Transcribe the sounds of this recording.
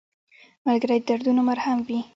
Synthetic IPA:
malɡaɾaj̪d̪aɾd̪unomaɾhamwi

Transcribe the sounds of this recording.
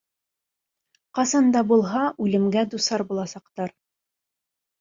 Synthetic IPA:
qɑsɑnd̪ɑbulˠɦɑʔʉlɘ̆mɡæd̪usɑɾbulˠɑsɑqt̪ɑɾ

